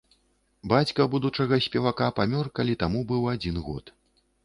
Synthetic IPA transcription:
bat͡sʲkɐbud̪ut͡ʂɐɣɐsʲpʲɛvakapamʲɔrkalʲit̪amubɨwad͡zʲinɣɔ̰t̪

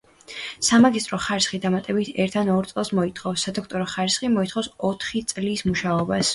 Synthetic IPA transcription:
samaɡist̪ʼɾɔχaɾisχid̪amat̪ʼɛbit̪ʰɛɾt̪ʰanɔɾt̪sʼɛlˠsmɔit̪ʰχɔfsːad̪ɔkʰt̪ʼɔɾɔχaɾisχimɔit̪ʰχɔfsɔt̪ʰχit̪sʼlismuʃaɔbas

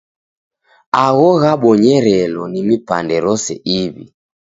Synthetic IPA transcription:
aɣɔɣaɓɔɲɛɾɛlɔnimipa̰ndɛɾɔsɛ̰ʔiβḭ

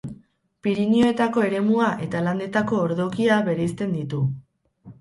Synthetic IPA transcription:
piɾinio̞e̞t̪ako̞e̞ɾe̞muaʔe̞t̪aland̪e̞t̪ako̞ːɾðo̞kiaβe̞ɾeist̪e̞nd̪it̪u

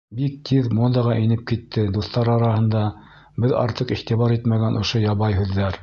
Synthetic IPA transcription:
bik̚t̪ʰiðmod̪ɑʁɑʔinɘp̚kit̪ʰːɘd̪uθt̪ɑɾɑɾɑhɤ̆nd̪ɑ | bɘðɑ̰ɾt̪ɤqiχt̪iβɑɾit̪mæɡænʔŏʃojɑβɑjɦʉðːæɾ

